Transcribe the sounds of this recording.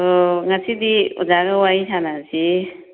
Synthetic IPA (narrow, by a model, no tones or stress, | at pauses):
ŋasidiṵzaɡɐwajtʰanasi